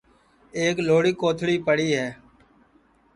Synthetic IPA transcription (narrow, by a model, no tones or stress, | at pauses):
eːkloːɽiːkoːt̪ʰɽiːpəɽiːɦɛː